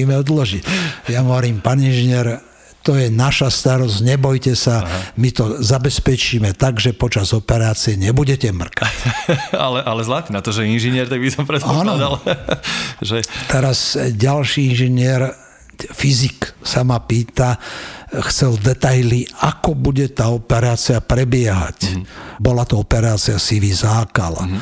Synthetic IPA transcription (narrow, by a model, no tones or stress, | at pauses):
imɛɔd̪lɔʒicjaɦɔʋɔɾiːmpaːninʒiɲɪɛɾ | t̪ɔjɛnaʃast̪aɾɔzɲɛbɔjcɛsamit̪ɔzabɛspɛt͡ʃiːmɛt̪aɡʒɛpɔt͡ʃazɔpɛɾaːt͡siɛɲɛbuɟɛcɛmr̩ka | a̰lɛʔalɛzlat̪iːnat̪ɔʒɛinʒiɲɪɛɾt̪aɡ̚bisɔmpɾɛt̪anɔd̪al | ʒɛt̪ɛɾazɟalʃiinʒɛɲɪɛɾ | fiziksamapiːt̪a | xt͡sɛld̪ɛt̪ajliakɔbuɟɛt̪aːɔpɛɾaːt͡siapɾɛbɪɛɦa̰cbɔlat̪ɔɔpɛɾaːt͡siasiʋizaːkala̰